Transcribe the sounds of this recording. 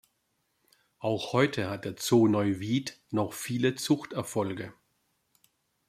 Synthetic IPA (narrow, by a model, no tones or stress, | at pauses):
ʔaʊxhɔʏtʰəhat̚d̥eːɐt͡soːnɔʏviːtnɔχfiːlət͡sʊxtɛɐfɔlɡə